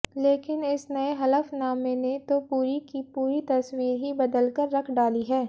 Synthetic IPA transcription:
leːkɪnɪsnɐeɦɐləfnaːmenet̪opuːɾikipuːɾit̪ɐswiːɾɦibɐd̪əlkəɾːɐkʰɖaːliɦɛː

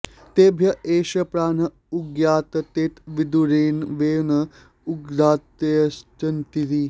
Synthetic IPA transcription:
t̪eːbʱjɐeːɕɐpɾaːnɐ | uɡjaːt̪ɐt̪eːt̪ʋid̪uɾeːnʋeːnɐ | uɡdaːt̪ɐst͡ʃɐnt̪iɾiː

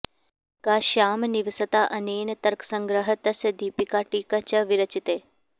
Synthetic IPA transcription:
kaːʃaːmniʋsət̪aʔɐneːnət̪ɐɾksəŋɡɾəɦət̪ɐsɐd̪iːpikaʈiːkat͡ʃɐʋiɾɐt͡ʃit̪eː

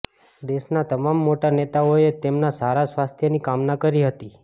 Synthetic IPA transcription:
d̪eʃnat̪əmamːoʈanet̪aoet̪emnasaɾasʋast̪ʰjənikamnakəɾiɦət̪i

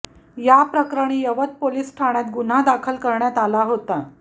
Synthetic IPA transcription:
japɾəkɾaɽ̃iːjəʋət̪̚poliːsʈʰaɽ̃jat̪ɡun̤ad̪akʰəlkəɾɳjat̪alaɦot̪a

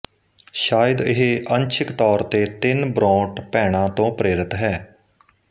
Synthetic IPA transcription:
ʃaːəd̪ɪɦeʔənt͡ʃʰɪkt̪ɔːɾt̪eːt̪ɪnbɾɔ̃ːʈpɛːɽ̃ãːt̪õːpɾeːɾɪt̪ɦɛː

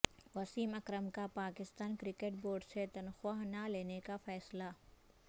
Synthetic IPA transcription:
ʋɐsiːmɐkɾəmkapaːkɪst̪aːnkɾɪkeʈ̚boːɾɖset̪ɐnxwaːɦnaleːnekafɛːsla

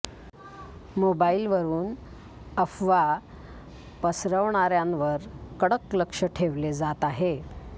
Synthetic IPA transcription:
mobailʋəɾuːn | əfʋa | pəsɾəʋɳaɾjanʋəɾkəɽəkləkʂəʈʰeʋled͡zat̪aɦe

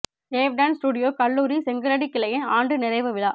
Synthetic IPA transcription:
eːʋɖansʈuːɽɪjoːkɐɭːuːɾisɛŋɡɐɾɐɽikːɪlɐjɐnaːɳɖɯnɪɾɐɪʋɐʋɪlaː

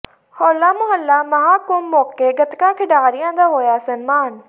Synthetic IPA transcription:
hɔːlːaːmʊɦəlːamɐɦaːkʊmːɔːkeɡɐt̪kãːkʰɪɖaːɾɪjãːd̪aːɦoːjaːsɐnmaːn

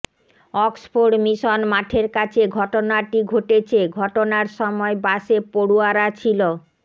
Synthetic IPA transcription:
ɔksfoɖmiʃonmaʈʰeɾkat͡ɕʰeɡʱɔʈonaʈiɡʱoʈet͡ɕʰeɡʱɔʈonaɾʃɔmɔebaʃepoɽuaɾat͡ɕʰilo

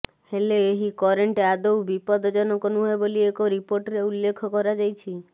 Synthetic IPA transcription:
heleːɦikɔɾeɳʈead̪ɔwbipɔd̪ɔd͡ʒɔnɔkɔnuɦɔeboliekoɾipoɾʈɾeulːekʰɔkɔɾad͡ʒajt͡ʃʰi

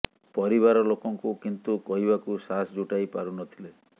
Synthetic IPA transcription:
pɔɾiβaɾɔlokɔŋkukint̪ukɔɦibakusasd͡ʒuʈajpaɾunɔt̪ʰile

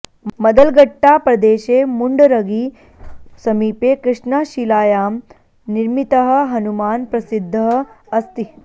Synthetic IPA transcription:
mɐd̪əlɡɐʈːapɾɐd̪eːʃemuɳɖɾɐɡiː | sɐmiːpekɾɪʂɳaʃilaːjaːm | niɾmit̪əɦəɦɐnumaːnpɾɐsid̪ʱːəɦəɐst̪i

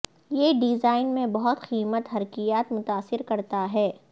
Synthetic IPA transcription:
jeːɖɪzaːɪnmẽbɐɦʊt̪xiːmət̪ɦɐɾkijaːt̪mʊt̪aːsːɪɾkɐɾt̪aɦɛː

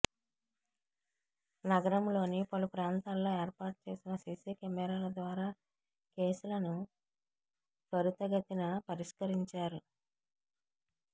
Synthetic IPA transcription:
nɐɡɐɾɐmlo̞ːnipɐlupɾaːnt̪aːlːo̞ːeːɾpaːʈut͡ʃe̞ːsinɐsiːsiːkemɛːɾaːlɐd̪ʋaːɾaː | ke̞ːsulɐnu | sɐɾut̪ɐɡɐt̪inɐpɐɾiʂkɐɾiɲt͡ʃaːɾu

